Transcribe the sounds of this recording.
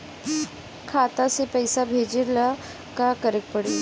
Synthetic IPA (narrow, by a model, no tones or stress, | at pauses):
kʰat̪asepəjsabʱed͡ʑila | kakəɾek̚pəɽi